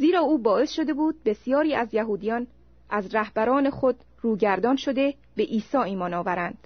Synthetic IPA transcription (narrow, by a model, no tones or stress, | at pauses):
ziːɾɒːuːbɒːe̞sʃo̞d̪e̞buːd̪̚be̞sijɒːɾiːæzjæɦuːd̪ijɒːn | ʔæzɾæhbæɾɒːne̞xod̪̥ | ruːɟæɾd̪ɒːnʃo̞d̪e̞ | be̞ʔiːsɒːiːmɒːnɒːvæɾænd̪̥